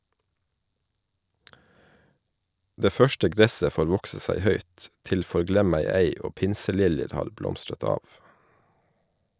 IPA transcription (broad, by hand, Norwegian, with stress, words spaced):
ˈdeː ˈfœʃtə ˈɡɾɛsə ˈfoːɾ ˈʋɔksə ˈsæɪ ˈhœʏt ˈtɪl fɔɾˈɡlɛmæɪeɪ ˈoː ˈpɪnsəˌlɪljəɾ ˈhɑːɾ ˈblɔmstɾət ˈɑːʋ